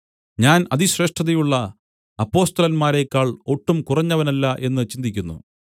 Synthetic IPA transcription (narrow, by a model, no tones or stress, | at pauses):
ɲaːnɐðiɕre̞ːʂʈʰːɐðijuɭːɐ | ɐpːo̞ːst̪ɐlɐnmaːɾe̞kːaːɭo̞ʈːumkurɐɲːɐʋɐnɐlːɐʔe̞nːɨt͡ɕind̪ikʲːunːṵ